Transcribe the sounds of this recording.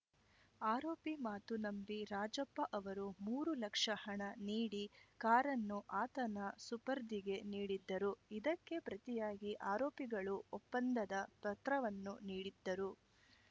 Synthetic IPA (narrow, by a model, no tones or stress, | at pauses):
aːɾoːpimaːt̪unɐmbiɾaːd͡ʒɐpːɐʔɐʋɐɾumuːɾulɐkʂɐhɐɳɐniːɽikaːɾɐnːuʔaːt̪ɐnɐsupɐɾd̪iɡe̞niːɽid̪ːɐɾuid̪ɐkːe̞pɾɐt̪ijaːɡiʔaːɾoːpiɡɐɭuɔpːɐnd̪ɐd̪ɐp̪ɐt̪ɾɐʋɐnːuniːɽid̪ːɐɾu